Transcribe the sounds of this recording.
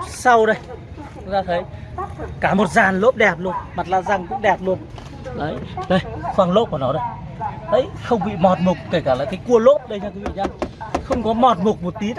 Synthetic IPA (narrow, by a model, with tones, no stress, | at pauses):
sa˧wɗə˧˩j | t̪ʰʊ˨˦˥ŋzaː˧˩t̪ʰə˨˦jkaː˧˩mo˨˩t̚zaː˨˩nlo̰˦˥p̚ɗɛ˨˩p̚lu˧ənma˨˩t̚la̰ː˧˨zaː˨˩ŋkʊ̰˧˥ŋ͡mɗɛ˨˩p̚lu˧ən | ɗə˨˦jɗə˧˩jfwaː˧˩ŋlo̰˧˥p̚ɔː˧˩nɔ˨˦ɗə˧˩jɗə˧˥jxə˧wŋ͡mɓḭ˧˨mɔ˨˩t̚mʊ˨˩k͡p̚t̪ə˧˩jkaː˧˩laː˨˩kaː˨˦jku˧əlo̰˦˥p̚ɗə˧jt͡ɕaː˧ku˨˦ḭ˧˨ɲaː˧˩xə˧wŋ͡mkɔ˨˦mɔ˨˩t̚mu˨˩k̚mo˨˩t̚t̪i˨˦